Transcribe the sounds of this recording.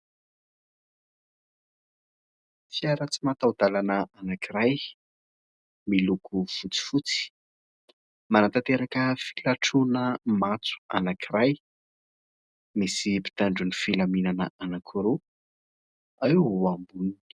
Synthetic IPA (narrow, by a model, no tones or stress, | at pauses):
fiaɾət͡simat̪awd̪alanəanakiɾaj | milukʰufut͡si̥fut͡si̥ | manat̪at̪eɾakəfi̥laʈ͡ʂunəmat͡su̥a̰nakiɾaj | misipi̥t̪aɳɖ͡ʐunifilaminanəʔanakʰuɾu | aiwambuni